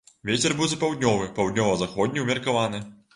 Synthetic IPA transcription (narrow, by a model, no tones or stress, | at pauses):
vʲet͡sʲɛrbɨwzɐpawd̪ʲnʲɔvɨpawd̪ʲnʲɔvɐzaxɔd̪ʲnʲiwmʲɐrkavanɨ